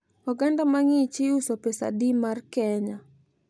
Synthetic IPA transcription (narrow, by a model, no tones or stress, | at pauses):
ɔɡandamaŋit͡ʃɪusɔpesa̰dimarkɛɲa